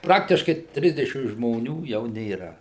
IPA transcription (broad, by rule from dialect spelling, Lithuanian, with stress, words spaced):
ˈprɑːktʲɪʃkɐɪ ˈtʲrʲɪzʲdʲɛʃʲɪm ʒmoːˈnʲuː jɛʊ nʲeːˈrɐ